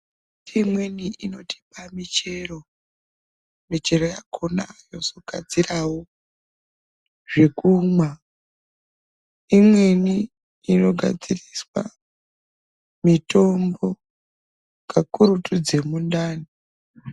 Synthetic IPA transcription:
imwe̞niʔino̞ti̥pamit͡ʃe̞ro̞ | mit͡ʃe̞ro̞jakʰonajo̞so̞ɡʱa̰d͡zirawo | ʐe̞kuːmwa | imwe̞niː | no̞ɡʱa̰d͡ziriswa̰ | mito̞mbo̞ | kakuɾutud͡ze̞mundaːni

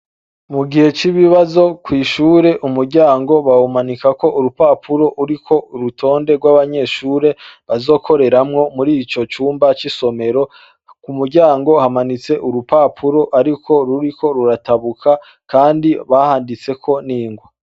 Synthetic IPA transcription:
muɡihe̞t͡ʃiβiβazo̞kwiːʃuːɾe̞ʔumuɾɟaːŋɡo̞βaumanikako̞ʔuɾupaːpʰuɾo̞ʔuɾikʰo̞ɾutʰo̞ːnde̞ɡwaβaɲe̞ʃuːɾe̞βazo̞ːkʰo̞ɾe̞ɾamŋo̞muɾit͡ʃo̞t͡ʃuːmbat͡ʃiso̞me̞ɾo̞ | kumuɾɟaːŋɡo̞hamanit͡se̞ʔuɾupapʰuɾo̞ʔaɾikʰo̞ɾuɾikʰo̞ɾuɾataβukʰa | kʰaːndiβahaːndit͡se̞kʰo̞niːŋɡwa

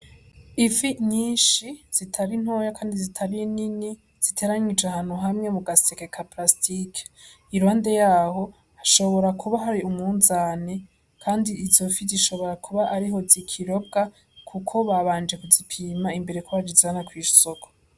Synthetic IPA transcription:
ifiɲiːnʃiz̥itʰaɾin̥ho̞ːjakʰaːndizitʰaβinini | z̥itʰe̞ɾaɲid͡ʒahaːn̥huɦamŋe̞muɡasekekʰaplastʰikʰe̥ | iɾwaːnde̞jaːho̞ | haʃo̞βo̞ɾakʰuβaɦaɾiumŋuːnzaːne | kʰaːndiizo̞fiziʃo̞βo̞ɾakʰuβaʔaɾiɦo̞zikʰiɾo̞b̚ɡ̥a | kʰukʰo̞βaβaːnd͡ʒe̞kuzipʰiːmaimbe̞ɾekʰoβad͡ʒizanakwiːʃsoko̥

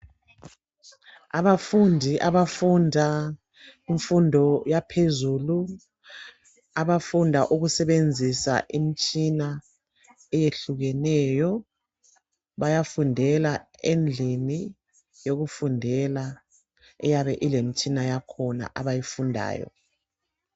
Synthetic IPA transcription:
aβafundʱiʔaβafundʱa | iɱfundʱɔjapʰezuːlu | aβafundʱaʔuɣusɛβend͡zʱisa̰ʔimit͡ʃʼina | ɛjeɬuɣɛnɛjɔ | βajafundʱɛla | end͡ɮʱini | joɣufundʱɛla | ɛ̰jaβɛʔilemit͡ʃʼinajakʰɔna̰ʔaβajifundʱa̰ːjɔ̰

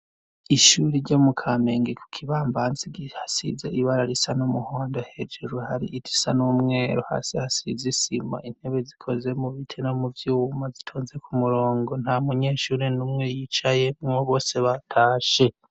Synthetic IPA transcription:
iʃuɾiɾɟo̞mukʰameŋɡekʰu̥kʰiβaːmbanziɡihasḭzeʔiβaɾaɾisanumuhoːndo̞he̞d͡ʒeɾuhaɾḭʔitʰi̥sanumŋeːɾuha̰sihasḭzisima̰ʔin̥he̞βezikʰo̞ze̞muβitʰeno̞muvjuːumazitʰoːnze̞kʰumuɾoːŋɡo̞n̥hamuɲe̞ːʃuːɾenumŋe̞jit͡ʃaje̞mŋoβo̞ːse̞βatʰaːʃe̞

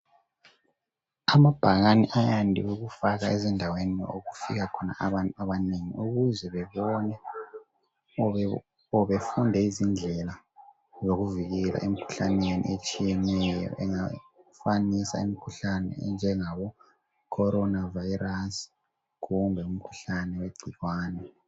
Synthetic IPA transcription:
amab̥ʱaɣaniʔajandʱiweɣufaɣaɛzɛndʱaweninɔ̰oɣufiɣakʰɔna̰aβantaβaniŋḭuɣuzɛβɛβɔnɛ | ɔβefundʱɛizind͡ɮʱɛla | zoɣuviɣɛla̰ʔem̩kʰu̥ɬanenḭet͡ʃʼijɛnɛjɔ̰ʔɛŋafanisa̰imikʰuɬanɛ̰nd͡ʒʱɛŋaβɔ | kʰɔɾɔnavairas | ɣumbʱɛum̩kʰu̥ɬanɛweɡ͡ǀʱiɣwaːnɛ

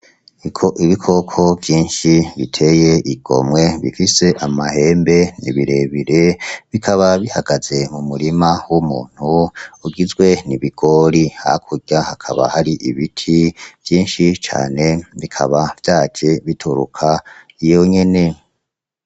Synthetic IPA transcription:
ikʰo̞ʔiβikʰo̞kʰo̞vjiːnʃiβḭtʰe̞je̞ʔiɡ̥o̞̰mŋwe̞βḭfise̞ʔamahe̞ːmbe̞nḭβiɾe̞βiɾe̞βikʰaβaβihaɡ̥aze̞mumuɾimawumuːn̥huuɡizɡwe̞niβiɡ̥o̞ɾiha̰kʰuɟahakʰaβa̰haɾiʔiβitʰiv̥jiːnʃit͡ʃa̰ːne̞βikʰa̰βav̥jaːd͡ʒe̞βitʰuɾṵkʰa | ijo̞ɲe̞ne̞

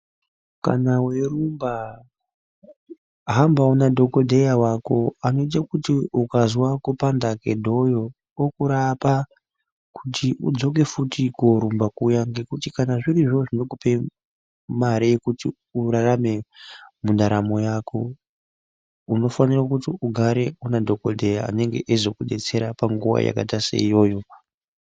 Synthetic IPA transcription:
ka̰nawerumba | ɦambaunadʱo̞kodʱejawako̞ano̞it̬akutiukazwakupandake̞dʱo̞jo | okuɾapa | kutʰiʔṵd͡zo̞k̬e̞futikoɾumbakujaŋɡe̞kutikanaʐiɾiʐo̞ʐino̞kupe̞ | maɾejekuti | uɾarame̞mundaɾamo̞jakʰo̞ | uno̞fanirakutiʔuɡʱaɾe̞unadʱo̞kodʱe̞jaa̰ne̞ŋɡe̞̰ʔezo̞kuɗe̞t͡se̞ɾapaŋɡuʋa̰ja̰ka̰tasḛijo̞ːjo̞

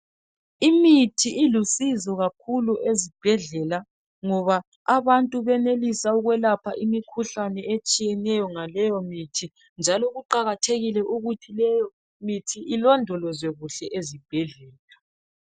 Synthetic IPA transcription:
imitʰiʔilusizɔɣakʰuluʔezib̥ʱɛɮɛla | ŋɔβaː | βantʼuβɛnelisauɣwɛlapʰaʔimikʰuɬanɛet͡ʃʼijɛnɛjɔŋalɛjɔmitʰi | nd͡ʒʱalɔɣuǃaɣatʰeɣilɛʔuɣutʰilɛjɔ | mitʰiʔːlɔndʱɔlɔzwɛɣuɬɛʔezib̥ʱɛɮɛːla

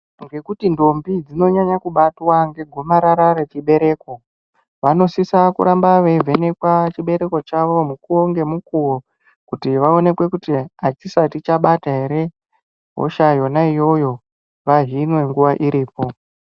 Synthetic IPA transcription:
ŋɡe̞kutindo̞mbid͡zino̞ɲaɲakuɓatwaŋɡe̞ɡʱo̞maɾaɾare̞t͡ʃiɓe̞ɾe̞ːko̞ | ʋano̞sisakṵɾambaʋe̞vʱe̞ne̞kwat͡ʃiɓe̞ɾe̞ko̞t͡ʃaʋo̞mukuwo̞ŋɡe̞mukuwo | kutiʋao̞ne̞kwe̞kutiat͡ʃisatit͡ʃaɓataɦe̞ɾe̞ | ɦo̰ʃajo̞naijo̞jo̞ | ʋaɦinwe̞ŋɡuʋaʔiɾiːpo̞

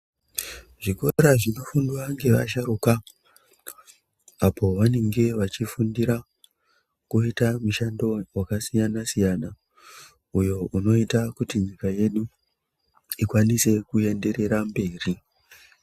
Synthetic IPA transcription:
ʐ̥ikoɾaʐino̞funduwaŋɡe̞ʋa̰ʃaɾuka | apʰo̞ʋane̞ŋɡe̞ʋat͡ʃifundiɾa | kuitamuʃando̞wakasijanasijana | ujo̞ʔuno̞itakutiɲikaje̞ɗu | ikwanise̞kue̞nde̞ɾe̞ɾambe̞ːri

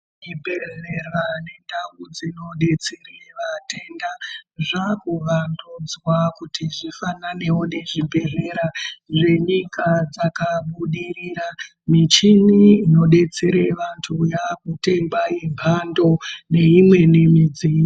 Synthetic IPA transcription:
mibʱeɮerwane̞ndawud͡zino̞ɗe̞t͡sereʋate̞ndaʐakuʋandud͡zwakutiʐifanane̞wone̞ʐibʱe̞ɮe̞ɾaʐe̞ɲikad͡zakaɓuɗiriɾa | mit͡ʃiniːno̞ɗe̞t͡se̞ɾeʋantʰujakute̞mbaje̞mpʰando̞ne̞imwe̞nemid͡zin

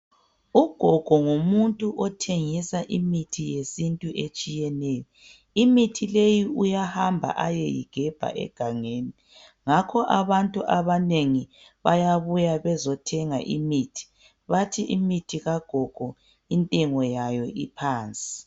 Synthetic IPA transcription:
uɡ̥ʱɔɡ̥ʱɔŋomuntʼuʔɔtʰeŋisaʔimitʰijesintʼuʔet͡ʃʼijɛnɛjɔ | imitʰilejiujahambʱa̰ʔajḛjḭɡ̥ʱɛb̥ʱa̰ʔɛ̰ɡ̥ʱaŋeːni | ŋakʰɔʔaβantʼuʔaβaneŋi | βajaβujaβɛzɔtʰɛŋa̰ʔimiːtʰi̥ | βatʰiʔimitʰiɣaɡ̥ʱɔɡ̥ʱɔ | intʼɛŋɔjajɔʔipʰaːnt͡sʼi̥

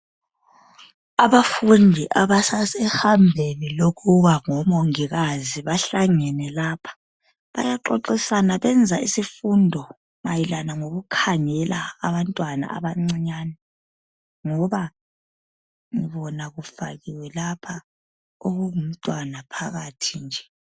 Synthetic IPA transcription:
aβafundʱiʔaβasasɛhambʱeniloɣuβaŋɔmoŋiɣaziβaɬaŋɛnɛlaːpʰḁ | βa̰jaǃoǃisanaβɛnd͡zʱaisifundʱɔ | majilanaŋoɣukʰaŋɛla̰ːβantʼwana̰ʔa̰βaŋ͡ǀiɲaːnɛ | ŋɔβa | ŋiβɔnaɣufaɣiwɛlapʰa | oɣuŋum̩tʼwanapʰaɣatʰind͡ʒʱɛ

